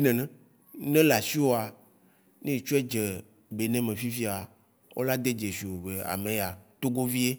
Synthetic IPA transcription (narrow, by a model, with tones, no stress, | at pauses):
i˦nɛ̃˨nɛ̃˦ | nɛ̃˦la˨si˦o˦a˨ | nẽ˦˨t͡ʃo˦ɛ˦d͡ʒɛ˨ | be˨nɛ̃˦mẽ˨fi˦fi˦a˨ | wʔo̰˦la˦d̪e˦d͡ʒe˨si˨o˨ve˨a̰˨mẽ˨ja˨t̪o˦ɡo˦vi˦e˦